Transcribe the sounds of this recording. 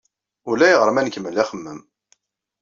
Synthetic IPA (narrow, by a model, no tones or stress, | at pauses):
ʊɾlæjəʁəɾˤəmænkəmːəlːæχəmːəm